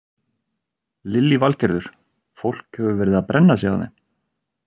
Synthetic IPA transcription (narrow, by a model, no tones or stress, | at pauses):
lɪlːivalcɛɾðʏɾ̥ | fowl̥khœvʏvɛːɾɪðaðpɾʔɛnːas̬aːaðɛ̰m